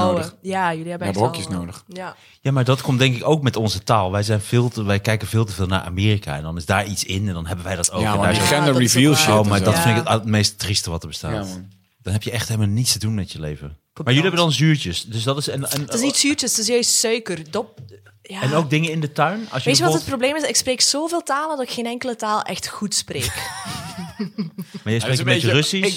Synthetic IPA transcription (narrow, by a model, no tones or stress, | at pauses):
ojajəliɛbəɛbəkjəsnowdəx | jaːmaɹdɔtkʰɔmtdɛŋkɪkowk̚mɛtɔnzətaːlˠʋɛjzɛjnv̥ɪːlˠəʋɛjkɛjkənvɪːlˠtəvɪːlˠna̰ɹʔa̰ːmeːrikʰa̰ɛ̰ndɔnɪzdaːɹitsɪnɛndɔnɦɛbəʋɛjdɔto̰ɛndaːɛnəɹivilˠʃowmadɔtfɪndɪkəttmejstːristəʋɑtəɹbəsta̰t | d̥ɔnɦɛpjəɛxthelˠmalˠnitstədunmɛtjəlejvə | maɹjʏliɦɛbəndɑnzyːɹt͡ʃəsdøsdɑtɪsɛnɛnɪsnitsyːɹt͡ʃəsɪsjœɥstsœɥkərdɔp | aɛnowk̚dɪŋənɪndətœɥnɑ̰lˠsjʋeːtyʋɔət̚probleːmɪsɪkspreːksoːveːlˠtaːlˠəndɑtɪkxeːnɛŋkələtaːlˠʔɛxtxutsprḛːk | maːɹjɛjsprekəmeərøsi